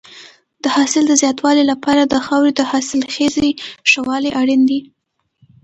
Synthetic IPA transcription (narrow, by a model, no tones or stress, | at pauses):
d̪əhɑsɪld̪əzjɑt̪wɑlelapɑɾad̪əxɑwɾed̪əhɑsɪlxezeʃawɑleʔaɽind̪i